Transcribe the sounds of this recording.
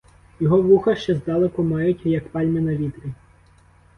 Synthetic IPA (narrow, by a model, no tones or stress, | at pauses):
jɔɦɔʋuxɐʃt͡ʃɛzd̪ɑlˠekʊmɑjʊtʲjɐkpɑlʲmɪnɐʋʲit̪ɾʲi